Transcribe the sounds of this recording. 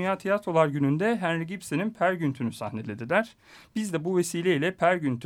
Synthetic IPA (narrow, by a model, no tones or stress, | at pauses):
ynjaːt̪ʰijat̪ʰɾolˠaɾɟynynd̪ɛɦænɾiɟipseninpʰæɾɟynt̪ʰynysa̰hnelʲed̪id̪ʲæɾ̥ | b̥izd̪ɛbuve̞siːlʲeilʲɛpʰæɾɟynt̪ʰy